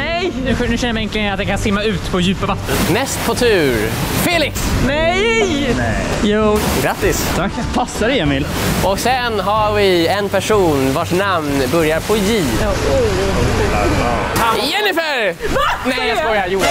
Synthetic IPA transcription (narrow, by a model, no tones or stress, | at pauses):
nɛjnʉnʉɕɛnəjmɛŋklɪat̪̚d̪ɛnŋkʰansɪmːaʉ̟ːt̪pʰɔjʉ̟ːpavat̪ːənnɛst̪pʰɔt̪ʰʉ̟ːɾfeːlɪksnɛjjnɛjuːɡɾat̪ːɪst̪ʰak | pʰasːaɾɛjɛmɪl | ʔɔksɛnɦaɾvɪɛnpʰæʂuːnvoːʈnamnbœɾjaɾpʰɔjiː | ɛnɪfɛɾanɛjabɔɾjajuː